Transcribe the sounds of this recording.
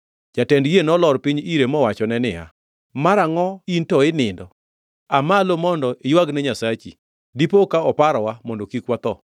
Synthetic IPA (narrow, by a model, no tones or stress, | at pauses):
d͡ʒatɛndɡenɔlɔɾpiɲiɾemɔwat͡ʃɔnɛnɪa̰ | maɾaŋɔintɔɪnɪndɔ | amalomɔndɔʔɪjwaɡnɛɲasat͡ʃḭ | dipokaɔpaɾɔwamɔndɔkikwat̪ɔ